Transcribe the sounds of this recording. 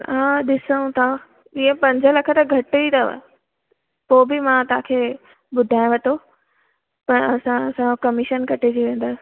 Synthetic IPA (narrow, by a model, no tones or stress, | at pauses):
ãːɗɪsə̃ũt̪ʰa | iẽpɐ̃ɲd͡ʑʱəlɐkʰət̪aɡʱɐʈit̪ʰaʋ̰ | poːbɪmãt̪ʋ̤ãkʰeː | ɓʊd̪ʱaːɪ̃ʋɐʈʰo | pɐɾɐsãɐsãkɐmɪʃənkɐʈed͡ʑiʋẽːn̆d̪aːs